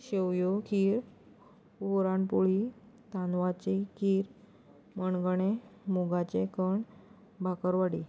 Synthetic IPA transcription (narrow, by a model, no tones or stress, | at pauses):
ɕewjokʰiːɾ | oɾaɳpuɭi | t̪anʋat͡ɕikʰiːɾ | məɳɡɳ̃emoɡat͡ɕekəɳ | bʱakəɾʋaɽiː